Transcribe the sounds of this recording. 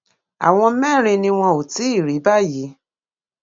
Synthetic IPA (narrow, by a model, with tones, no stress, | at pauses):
a̰˨w̃ɔ̃˧˦mɛ˦˨ɾ̃ĩ˧nĩ˧w̃ɔ̃˧o˨ti˨˦i˦˨ɾi˨˦ba˦˨ji˨˦